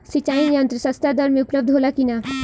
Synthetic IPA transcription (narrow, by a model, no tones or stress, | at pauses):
sit͡ʃaːijant̪ɾəsɐst̪aːd̪əɾmẽʊpləb̚d̪ɦoːlakina